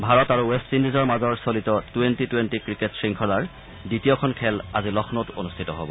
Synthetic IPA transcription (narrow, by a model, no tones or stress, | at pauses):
bʱaɹɔtaɹuwestindizɔɹmazɔɹsolitɔtuentituwentikɹiketsɹiŋkʰɔlaɹ | ditijokʰɔnkʰɛlazilɔxʰnoto̰nustʰitɔɦo̰bɔ